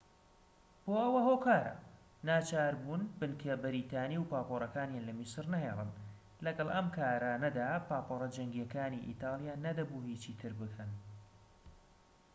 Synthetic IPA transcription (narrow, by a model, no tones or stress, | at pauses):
b̥oːʔɐwɐɦokaːɾɐ̰ | naːt͡ʃaːɾbuːnbɨnkʰɐbɪɾiːt̪aːniwpaːpoɾˤɐkaːnjaːnlɐmisɨrnɐɦeːlˠɨ̰n | lɐɡɐlˠʔɐmkʰaːɾɐnɐd̪apaːporˤɐd͡ʒɐŋɡijɛkaːniʔḭt̪ɑːlˠjaːnɐd̪ɐbuːhiːt͡ʃit̪ʰɨɾbɨkʰɐn